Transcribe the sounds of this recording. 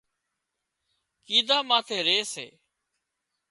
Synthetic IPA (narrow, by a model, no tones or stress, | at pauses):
kiːd̪aːmaːt̪ʰeːɾeːsḛː